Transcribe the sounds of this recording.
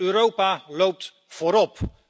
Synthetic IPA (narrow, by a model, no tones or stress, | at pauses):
øɾowpalowp̚t | v̥oːɾɔp